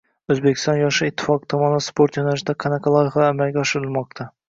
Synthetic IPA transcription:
ɵzbekʲʰɪ̥st̪ɒnjɒʃɨɪt̪ʰːɪ̥fɒqt̪ʰɒmɒnɪspʰoɾt̪jɒnaʃɪd̪aqʰɑnæqʰɑlˠɒjɪχaːmælɡʲɛɒʃɪɾɪlˠmɒq̚t̪ʰa

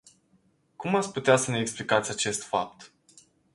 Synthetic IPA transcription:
kumat̪sʲput̪easəne̞ːksplikat̪sʲat͡ʃe̞st̪fa̰p̚t̪

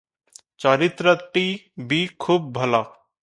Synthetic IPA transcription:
t͡ʃaːɾɪt̪ɾəʈi | bʱikʰuːb̚ːʱɐlaː

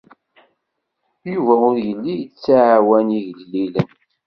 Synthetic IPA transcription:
juvæʊɾjəlːijət͡sːaʕawæniʝəlːilən

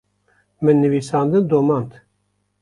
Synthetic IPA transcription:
mɨnːɨviːsɑːnd̪ɨnd̪omɑnt̪

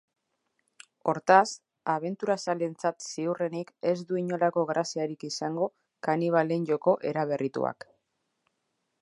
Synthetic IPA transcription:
o̞ɾt̪as | aβe̞nt̪uɾasale̞nt͡sat̪siure̞nike̞zd̪uiɲo̞lako̞ɣɾasiaɾikisaŋɡo̞ | kaniβ̞ale̞nɟo̞ko̞ʔe̞ɾaβ̞e̞rʔit̪ṵa̰k

